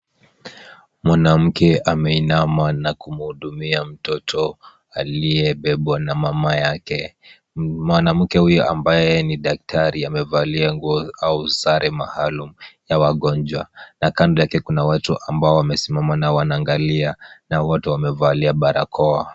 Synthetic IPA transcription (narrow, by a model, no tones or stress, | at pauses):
mwanam̩kɛʔamɛinamanakumuhuɗumiam̩tɔtʰɔ | aliɛɓɛɓɔnamamajakɛ | mwanam̩kɛhujɔʔambajɛniɗak̚tʰaɾiamɛvaliaŋɡuɔausaɾʔɛmahalumujawaɠɔnd͡ʒwanakandɔjakɛkunawatuʔambaɔwamɛsimamanaɔwanaːŋɡalianawɔtɛwamɛvaliaɓaɾa̰kʰɔa